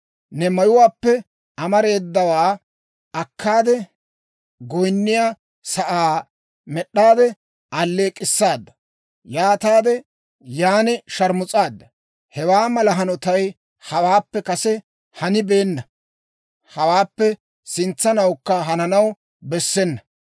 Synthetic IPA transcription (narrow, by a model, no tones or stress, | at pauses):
nɛmɐjʊwaːpːɛ | ɐmɐɾe̞ːd̪ːɐwaː | ɐkːaːd̪ɛ | ɡɔjnːɪjaː | sɐʔaː | mɛɗːaːd̪ɛ | ɐlːeːkʼɪsːaːd̪ːɐ̥ | jaːt̪aːd̪ɛ | jaːnɛʃɐɾmʊt͡sʼaːd̪ːɐ | hɛwaːmɐlɐɦɐnɔt̪ɐj | hɐwaːpːɛkɐsɛ | hɐnɪbe̞ːnːɐ | hɐwaːpːɛ | sɪnt͡sːɐnɐwkːɐɦɐnɐnɐw | bɛsːɛnːɐ